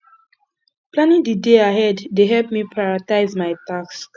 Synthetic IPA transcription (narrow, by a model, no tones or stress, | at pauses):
plãnĩŋdideaɦɛddeɦɛlpmipʰɹaɪɹataɪzmaɪtaks